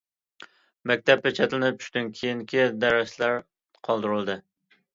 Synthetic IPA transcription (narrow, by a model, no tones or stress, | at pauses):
mɛk̚ʲt̪ʰɛp̚ːʲɛt͡ʃʰɛt̪lɪnɪp̚t͡ʃʰy̥ʃʲt̪ynkʲʰejiŋkʲʰid̪æɾæslæɾ | qʰɑlˠd̪ɨɾɨlˠd̪ɨ